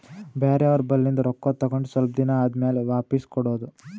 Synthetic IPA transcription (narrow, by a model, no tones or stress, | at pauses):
baːɾɐʋɐɾbɐlːind̪ɐɾɔkːɐt̪ɐɡoɳɖusʋɐlp̚d̪inaːd̪meːleʋaːpiskɔɽoːd̪u